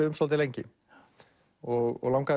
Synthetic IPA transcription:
ʏʏmsɔlt̪ɪlejɲcɪ̰ | ɔɣɔ̰ɣlãwŋka

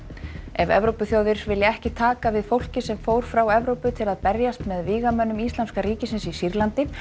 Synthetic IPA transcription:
ɛvɛ̰vɾowpʏθjaːwðɪɾvɪljɪɛhcɪt̪ʰaːkavɪðfowl̥cɪsɛmfowɾ̥fɾawɛvɾowpʏt̪ʰɪlaðpɛɾjast̪mɛðviːɣamœnːʏmist̪lanskaɾiːcɪsɪnsisiɾlant̪ɪ

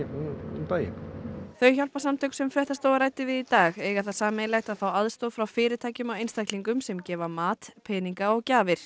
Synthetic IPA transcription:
ipaːjɪ̰kθœɥçal̥pasamt̪ʰœksɛmfɾɛht̪ast̪oːwaɾaːjt̪ɪvɪðit̪aːɣeːjɣaθaðsaːmɪlajt̪aðfawaðst̪oːðfɾawfɪːɾɪ̥t̪ʰaːjcʏmawejnst̪akliŋkʏmsɛmcɛːvamaːt̪pʰɛːniŋkaɔɣcaːvɪɾ̥

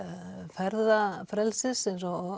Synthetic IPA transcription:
fɛɾðafɾɛlsɪsɛnsɔ

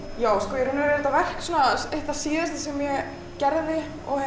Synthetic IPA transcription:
jaːwskɔjɛɾhʏnvɛɾɛɾɪt̪avɛr̥ksuːnaejht̪asiːðɪst̪ḁsɛmjɛ | cɛɾðɪ | ɔ̰

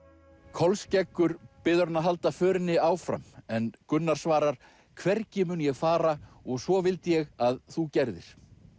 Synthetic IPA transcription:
kʰɔlscɛkːʏɾpɪðʏɾnaɦal̪t̪afœːɾɪnːɪaːwfɾa̰mɛnkʏnːaɾ̥svaːɾaɾ̥ | kʰvɛɾcɪmʏnjɛɣfaːɾaɔɣsvɔvɪlt̪jɛɣaðθucɛɾðɪ̰ɾ̥

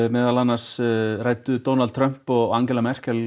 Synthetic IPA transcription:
mɛːðalanːasraːjt̪ʏt̪ownal̚t̪ʰɾœm̥pɔɣaŋcɛlamɛr̥kɛl

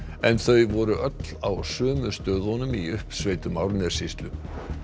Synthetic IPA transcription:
ɛnθœɥvɔɾʏʔœt̪l̥awsœːmʏ̥st̪œːðhɔnʏmiʏhpsveːjt̪ʏmawɾnɛ̥sist̪lʏ

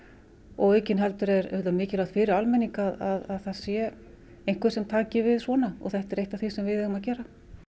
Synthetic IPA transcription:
ɔɣejcɪnɦɛlt̪ʏɾɛɾœt̪amɪːcɪlaːwt̪fɪːɾɪɾalmɛniŋkaðaðaðθaðsjɛ | ejnŋ̥kvɛɾ̥sɛmt̪ʰaːcɪvɪðsvɔːnaɔ̰ɣθɛht̪ɛɾejht̪aθisɛmvɪðɛhɣʏmacɛːɾa

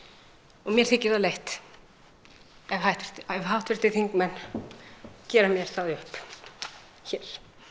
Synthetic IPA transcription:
ɔmjɛɾ̥θɪcːɪɾðalejht̪ | ɛvhawht̪vɪ̥t̪ɛvɦawht̪vɪɾ̥t̪ɪθiŋkmɛnː | cɛːɾamjɛɾ̥θaðʏhp | çɛːɾ̥

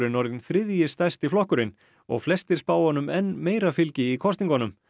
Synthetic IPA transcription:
ɾɪnɔɾðɪnθɾɪðjɪst̪ajst̪ɪflɔhkʏɾɪn | ɔ̰ɣflɛst̪ɪ̥spaːwhɔnːʏmɛnmeːjɾafɪlcɪikʰɔst̪niŋkɔnʏm

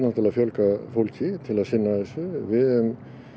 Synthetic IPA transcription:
nat̪ɪlaðfjœlkafowlcɪt̪ʰɪlaðsɪnːaðɪsɪvɪʏm

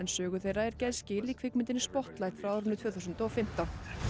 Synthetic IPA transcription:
ɛnsœːɣʏθejraɛɾcɛðscɪiːliːkʰfɪkmɪnt̪ɪnɪspɔht̪lajht̪fɾawaːwɾʏnːʏt̪ʰvœːθuws̬ʏnt̪ɔɔfɪm̥t̪an

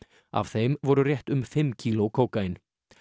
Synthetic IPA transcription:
a̰v̥θejmvɔɾʏrjɛht̪ʏmfɪmːcʰiːlɔkʰoːwkaɪn

